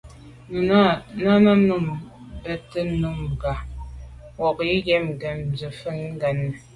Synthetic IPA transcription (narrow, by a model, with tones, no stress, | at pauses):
nə˨na˦˨na˦na˦m˦nu˦˨m | bɛ˨tə˦nu˦˨m˨ɡa˨ | wɔ˨kji˦ɡɛ˦m˨ɡə˨m˨zə˨fə˦ŋ˦ɡa˨nə˨